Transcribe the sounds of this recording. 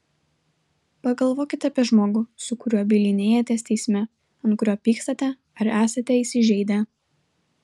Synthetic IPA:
pɐɡɐlˠʋoːkʲɪt̪ʲɐpʲiɛʒmoːɡʊsʊkʊɾʲuɔːbʲiːlʲɪnʲeːjɛt̪ʲɛst̪ʲɛɪsʲmʲɛ | ɐnt̪kʊɾʲoːpʲiːkst̪ɐt̪ʲɛ | ɐɾæːsɐt̪ʲɛiːsʲɪʒʲɛɪd̪ʲɛ

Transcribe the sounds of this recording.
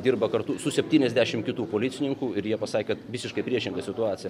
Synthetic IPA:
d̪ʲiːɾbɐkɐrt̪ʊsʊsʲɛpʲt̪ʲiːnʲɛzʲd̪ʲæʃʲɪmkʲɪt̪uːpoːlʲɪt̪sʲɪnʲɪŋkuːɪɾjiɛpɐsɑːkʲekɐt̪ʋʲɪsʲɪʃkɐɪpʲɾʲiɛʃʲɪŋɡɐsʲɪt̪ʊɑːt̪ʲɪjɛ

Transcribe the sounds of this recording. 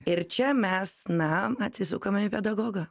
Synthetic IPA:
ɪɾt͡ʃʲɛmʲɛsnɐɐt̪ʲsʲɪsʊkomʲɛɪpʲɛd̪ɐɡoːɡɐ

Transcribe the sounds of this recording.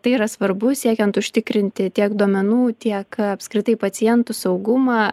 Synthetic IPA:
t̪ɐɪiɾɐsʋɐɾbʊsʲiɛkʲɛnt̪ʊʃʲt̪ʲɪkɾʲɪnʲt̪ʲɪt̪ʲiɛkd̪uɔmʲɛnuːt̪ʲiɛkɐpskɾʲɪt̪ɐɪpɐsʲɪjɛnt̪ʊsɐʊɡʊmɑː

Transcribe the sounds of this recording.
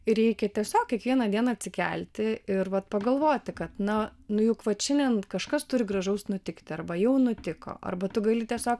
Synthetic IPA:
ɪɾʲɛɪkʲɛt̪ʲiɛsʲoːk̚kʲɛkʋʲiɛnɐd̪ʲiɛnɐːt̪ʲsʲɪkʲɛ̰lʲt̪ʲɪɪrʋɐt̪pɐɡɐlˠʋoːt̪ʲɪkɐt̪nɐnʊjʊkʋɐt̪ʃʲɛnʲdʲɛnkɐʃkɐst̪ʊɾʲɪɡrɐʒɐʊsnʊt̪ʲɪkt̪ʲɪɐrbɐjɛʊnʊt̪ʲɪko̰ɐ̰rbɐt̪ʊɡɐlʲɪt̪ʲiɛsʲoːk

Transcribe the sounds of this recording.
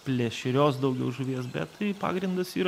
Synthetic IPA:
pʲlʲeːʃʲɪɾʲoːsd̪ɐʊɡʲɛʊʒʊʋʲeɛsbʲɛ̰t̪tɐɪpɑ̰ːɡɾʲɪnd̪ɐsiːɾ

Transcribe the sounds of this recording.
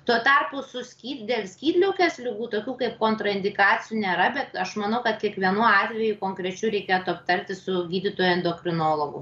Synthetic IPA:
t̪uɔt̪ɐrpʊsʊsʲkʲiːd̪ʲeːlʲˠsʲkʲiːd̪ʲlʲɛʊkʲɛslʲɪɡuːt̪oːkʲuːkɐɪp̚koːnt̪ɾɐɪnʲd̪ʲɪkɑːt͡sʲɪjuːnʲeːɾɐbʲɛt̪ɐʃmɐnɐʊkɐt̪kʲiɛkʋʲiɛnuɔɑːt̪ʲʋʲɛjukoːŋkɾʲɛt͡ʃʲuɾʲɛɪkʲeːt̪ʊɐpt̪ɐɾʲt̪ʲɪsʊɡʲiːd̪ʲɪt̪oːjɛnd̪oːkɾʲɪnoːlˠoɡʊ̰

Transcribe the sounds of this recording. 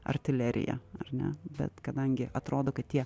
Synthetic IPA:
ɐ̰rʲt̪ʲɪlʲɛɾʲɪ̰jɛ̰ɐ̰rnʲɛ̰bʲɛ̰t̪kɐd̪ɐŋʲɡʲɪʔɐt̪ɾoːd̪oːkɐt̪tʲiɛ

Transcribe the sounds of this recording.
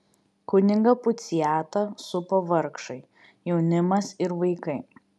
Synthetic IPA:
kʊnʲɪŋɡɐpʊt̪sʲɪjæːt̪ɐsʊpɐʋɐɾkʃɐɪ | jɛʊnʲɪmɐsɪɾʋɐɪkɐɪ

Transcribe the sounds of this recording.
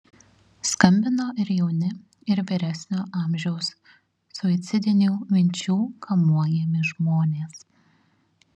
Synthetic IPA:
skɐmʲbʲɪnoːʔɪɾjɛʊnʲɪ | ɪɾʋʲɪɾʲæsʲnʲoːʔɑːˑmʲʒʲɛʊsː | ʊɪt̪sʲɪd̪ʲɪnʲuːmʲɪnʲt͡ʃʲuːkʰɐmuɔjɛmʲɪʒmoːnʲeːs

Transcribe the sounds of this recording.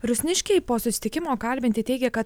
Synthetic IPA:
ɾʊsʲnʲɪʃʲkʲɛɪpoːsʊsʲɪ̥t̪ʲɪkʲɪmoːkɐlʲbʲɪnʲt̪ʲɪt̪ʲɛɪɡʲɛkɐt̪

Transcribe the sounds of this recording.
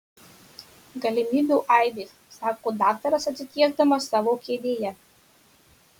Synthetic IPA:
ɡɐlʲɪmʲiːbʲuːˑʔɐɪd̪ʲeːssɑːkoːd̪ɑːk̚t̪ɐɾɐsɐt̪ʲsʲɪt̪ʲiɛɡ̚d̪ɐmɐsːɑːʋoːkʲeːd̪ʲeːjɛ

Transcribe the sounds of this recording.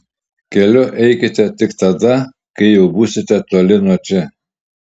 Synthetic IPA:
kʲɛlʲɔʔɛjkʲɪt̪ʲɛt̪ɪkt̪ad̪a | kejɛwbusɪt̪ʲɛt̪ɔlʲɪnɔt͡ʃɪ

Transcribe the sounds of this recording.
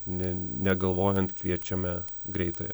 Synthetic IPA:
nʲɛnʲɛɡɐlˠʋoːjɛnt̪kʋʲiɛt͡ʃʲɛmʲɛ | ɡɾʲɛɪt̪oːjɛ̰

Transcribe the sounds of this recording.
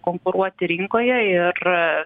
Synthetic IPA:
koːŋkʊɾuɔt̪ʲɪɾʲɪŋkoːjɛɪr

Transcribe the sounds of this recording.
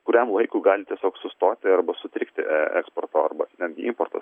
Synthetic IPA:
kʊɾʲɛmʋˠɐɪkuːɡɑːlʲɪt̪ʲiɛsʲoːksʊst̪oːt̪ʲɪɐrbɐsʊt̪ʲɾʲɪkt̪ʲɪ̰ʔɛɛ̰kspoːrt̪oːɐrbɐnʲɛd̪ɡʲɪɪmport̪ɐ̰s

